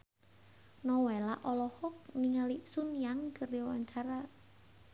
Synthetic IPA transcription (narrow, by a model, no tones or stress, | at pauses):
nɔwɛlaʔɔlɔhɔk̚niŋalisunjaŋkəriwa̰ɲt͡ʃaɾa